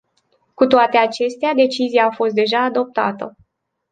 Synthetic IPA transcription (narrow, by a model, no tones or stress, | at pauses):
kut̪oat̪e̞at͡ʃe̞st̪ead̪e̞t͡ʃizijaːfo̞st̪̚d̪e̞ʒaːd̪o̞p̚t̪a̰t̪ə